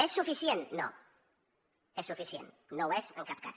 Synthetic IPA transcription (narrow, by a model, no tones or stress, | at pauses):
ɛsːufisjenːo̰ | ɛsːufisjḛnːoɛzəlkap̚ka̰s